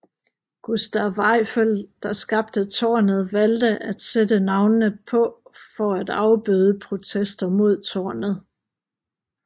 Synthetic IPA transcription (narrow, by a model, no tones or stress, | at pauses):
ɡ̥usd̥æʋɑɪføld̥ɑ̈sɡ̥ɑ̈b̥̚d̥ət͡sʰɒːnəð̞̩ˠʋæld̥əʔæd̥sed̥ənɑ̈ʊnənəpʰɒ̽fɒ̽æd̥ɑ̈ʊb̥yð̞ˠəpʰʁo̝t͡sʰesd̥ɐmo̝ð̞̰ˠt͡sʰɒ̰ːnəð̩ˠ